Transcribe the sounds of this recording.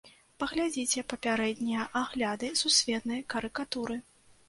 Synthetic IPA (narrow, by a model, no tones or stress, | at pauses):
pɐɣlʲad͡zʲit͡sʲɛpɐpʲaɾɛd̪ʲnʲijɐʔaɣlʲad̪ɨsusʲvʲɛt̪nɐjkɐɾɨkat̪uɾɨ